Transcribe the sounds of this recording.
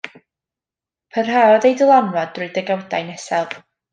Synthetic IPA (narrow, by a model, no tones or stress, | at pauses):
pʰərɦaɔðejdɪlˠamrɔdrʊɨdəɡawdajnɛsɛv